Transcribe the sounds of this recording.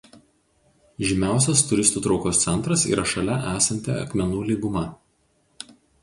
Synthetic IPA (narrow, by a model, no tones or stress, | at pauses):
ʒʲɪmʲæˑʊs̬ʲɛst̪ʊɾʲɪst̪uːt̪ɾɒʊkoːst̪sʲɛnt̪ɾɐsḭːɾɐʃɐlʲɛʔæːsɐnʲt̪ʲɛ̰ɐ̰kmʲɛnuːlʲiːɡʊmɐ